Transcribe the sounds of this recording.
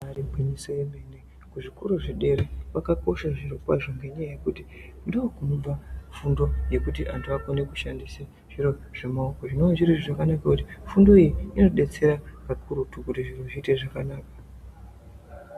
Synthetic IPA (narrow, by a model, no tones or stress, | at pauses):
ribʱwiɲiso̞jemene | kuʐikuɾuʐiɗe̞ɾewakako̞ʃaʐiɾo̞kwa̰ʐo̞ŋɡe̞ɲajaje̞kutindokunoɓafundo̞je̞kutiʔantuakonekuʃandisa | ʐ̥iro̞ʐ̥emaokoʐino̞ʐiɾiʐoʐakanakakutifundo̞ijiinoɗe̞t͡se̞ɾapakuɾutukutiʐiroʐiːteʐakanaːkḁ